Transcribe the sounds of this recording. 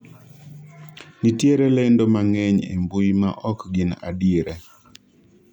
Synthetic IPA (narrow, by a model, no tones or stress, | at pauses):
nitjeɾelendomaŋɛɲḛmbuima̰ʔɔkɡɪna̰diɾe